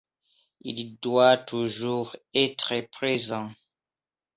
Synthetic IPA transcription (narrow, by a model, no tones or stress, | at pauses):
ḭld̪wat̪uʒuːʁɛt̪χəpχezɑ̃